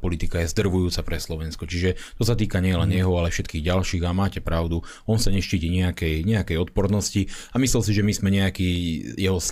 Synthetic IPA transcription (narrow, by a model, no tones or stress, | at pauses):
pɔlit̪ikajɛzd̪r̩ʋujuːt͡sapɾɛslɔʋɛnskɔt͡ʃiʒɛt̪ɔsat̪iːkaɲɪɛjɛlɛnjɛɦɔalɛfʃɛt̪kiːɣɟalʃiːɣamaːcɛpɾaʊd̪u | ɔnsaɲɛʃciːciɲɛakɛjɲɛakɛjɔt̪̚pɔɾd̪nɔsci | amislɛls̬iʒɛmizmɛɲɛakiːjɛɦɔs